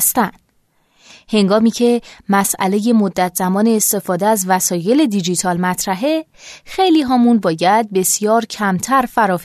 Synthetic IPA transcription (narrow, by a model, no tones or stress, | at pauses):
st̪ænd̪̥ | he̞ŋɡɒːmiːcʰe̞mæsʔæ̰le̞je̞mod̪ːæt̪ʰz̥æmɒːne̞ːst̪e̞fɒːd̪eæzvæsɒːje̞le̞d̪id͡ʒit̪ʰɒːlmæt̪ʰɾæɦe̞xe̞jliːɦɒːmunbɒːjæd̪̚be̞sjɒːɾcʰæmt̪ʰæɾfæɾɒːf